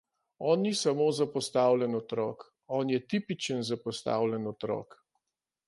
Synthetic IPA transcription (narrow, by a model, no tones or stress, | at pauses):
ɔːnːisamoːzapɔst̪aːwlʲɛnɔt̪ɾɔ̰ːk | ɔːnjɛt̪iːpit͡ʃənzapɔst̪a̰ːwlʲɛnɔt̪ɾɔ̰ːk